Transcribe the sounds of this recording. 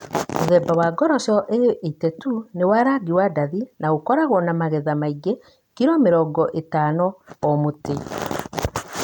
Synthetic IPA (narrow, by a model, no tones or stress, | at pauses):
moðɛbawaːɡɔɾɔʃɔʔeʔetɛtunewaɾaɡiwadaðinaokɔɾaɣɔnamaɣɛðamaiɡe | kiɾɔmeɾɔɡɔʔetanɔɔmote